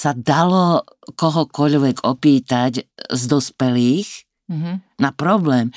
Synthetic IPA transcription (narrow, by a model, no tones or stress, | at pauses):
sad̪alɔkɔɦɔkɔʎʋɛɡɔpiːt̪aɟzd̪ɔspɛliːx | napɾɔblɛːm